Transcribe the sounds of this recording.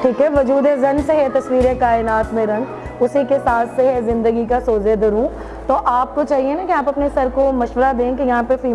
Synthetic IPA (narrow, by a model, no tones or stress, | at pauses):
ʈʰiːkɦɛʋɐd͡ʒuːd̪ezɐnseɦɛt̪ɐsʋiːɾekaːɪnaːt̪mẽɾɐ̃ŋɡ | ʊsikesaːt̪ʰseɦɛzɪ̃nd̪əɡikasoːzed̪ɐɾũ | t̪oʔaːp̚kot͡ʃaːɦienakiaːpɐpnesɐɾkomɐʃʋəɾad̪ẽːkejɐɦãpefiː